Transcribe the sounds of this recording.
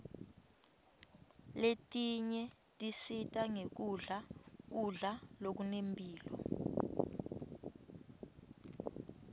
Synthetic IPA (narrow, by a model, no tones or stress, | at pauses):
letʼiɲɛ | tʼisitʼaŋek̬uɮak̬uɮalok̬unempʼiːlɔ̰